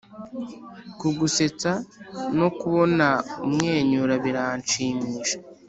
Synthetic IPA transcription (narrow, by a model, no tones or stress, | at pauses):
kuɡuse̞t͡sano̞kuβo̞naumŋe̞ːɲuɾaβiɾaːnt͡ʃiːmiʃḁ